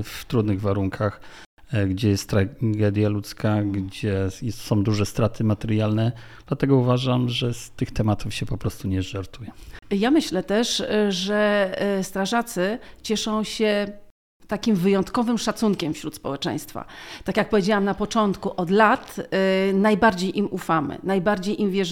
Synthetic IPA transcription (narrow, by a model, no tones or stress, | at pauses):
ft̪ɾud̪nɘɣvaɾuŋkʰax | ɡd͡ʑɛjɛst̪ːɾaɡɛd̪ʲjalut̪skʰaɡd͡ʑɛjɛsɔ̃w̃d̪uʐɛst̪ɾat̪ʰɘmat̪ɛɾjalnɛd̪lat̪ɛɡɔuvaʐamʐɛst̪ɘxt̪ɛmat̪ufɕɛpɔpɾɔst̪uɲɛʐaɾt̪ʰujɛjamɘɕlɛt̪ɛʂʐɛst̪ɾaʐat̪sɘt͡ɕɛʂɔ̃w̃ɕɛ | t̪akʲimvɘjɔnt̪kɔvɘmʂat̪suŋkʲɛmfɕɾut̪spɔwɛt͡ʂɛ̰̃j̃st̪fa̰t̪akʲjak̚pɔvʲjed͡ʑawamnapɔt͡ʂɔnt̪kuʔɔd̪lat̪najbaɾd͡ʑejʔimʔufamɘ̰najbaɾd͡ʑejʔimvʲjɛʐ